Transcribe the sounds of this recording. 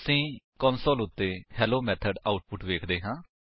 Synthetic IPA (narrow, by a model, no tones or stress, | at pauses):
sĩːkɔːnsoːlʊt̪ːeːhɛːloːmɛːt̪ʰəɖaːʊʈ̚pʊʈʋeːkʰd̪eːɦãː